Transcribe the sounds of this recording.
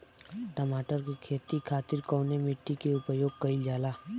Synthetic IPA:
ʈəmaːʈəɾkekʰeːt̪ikʰaːt̪ɪɾkɔːnemɪʈːikeʊpəjoːɡ̚kəid͡ʒaːlaː

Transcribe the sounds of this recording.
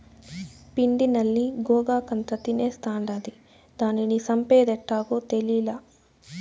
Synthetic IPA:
pind̪inɐlːiɡɔːɡaːkɐnt̪ɐt̪ineːst̪aːɳɖɐd̪i | d̪aːninisɐmpeːd̪ɛʈːaːɡoːt̪eliːlaː

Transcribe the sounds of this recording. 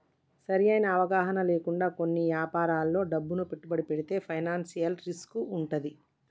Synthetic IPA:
sɐɾijɐjnɐːʋɐɡaːɦɐnɐle̞ːkuɳɖaːko̞nːiʋjaːpaːɾaːlːo̞ːɖɐbːunupe̞ʈːubɐɽipeɽit̪e̞ːpʰɐjnaːnsijɐlɾiskuuɳʈɐd̪i

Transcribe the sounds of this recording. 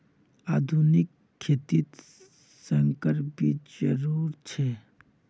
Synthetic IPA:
aːd̪ʱunɪkʰːeːt̪it̪ | sə̃ŋkəɾbʱid͡ʒəɾuːɾt͡ʃʰe

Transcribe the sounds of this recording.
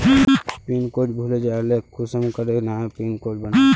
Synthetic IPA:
pinkoːʈbʱuled͡ʒaːlekʰusəmukəɾenapinkoːd͡ʒbəna

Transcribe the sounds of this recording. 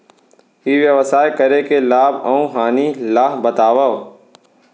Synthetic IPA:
iʋjɐʋsaːjkɐɾekelaːbɐũɦaːnilaːɦbɐt̪aːʋəʋ

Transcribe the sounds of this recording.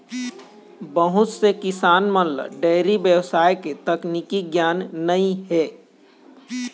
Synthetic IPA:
bəɦʊt̪sekɪsaːnmənlə̰ɖɛːɾibjəwsaːjket̪ɐknikiɡjaːnːəĩɦɛː

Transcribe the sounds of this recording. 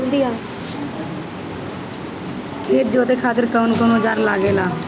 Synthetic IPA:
nd̪iːaː | kʰeːt̪̚d͡ʒoːt̪eːkʰaːt̪əɾkəʊnkonõːd͡ʒaːɾlaːɡeːlaː

